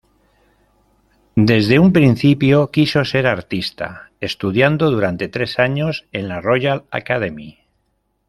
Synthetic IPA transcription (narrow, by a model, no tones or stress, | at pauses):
d̪e̞zðe̞umpɾin̟θipjo̞kiso̞se̞ɾaɾt̪ist̪a̰e̞st̪uðjand̪o̞ð̞uɾant̪e̞t̪ɾe̞saɲo̞se̞nlaro̞jala̰kað̞emi